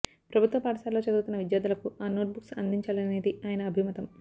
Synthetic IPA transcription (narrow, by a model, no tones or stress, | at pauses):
pɾɐbʱut̪ʋɐpaːɖɐʃaːlo̞ːt͡ʃɐd̪uːt̪unːɐʋid̪jaːd̪ulɐkuaːno̞ːʈ̚buksɐnd̪ʱiɲt͡ʃaːlɐne̞ːd̪iaːjɐnɐːbʱimɐt̪ɐm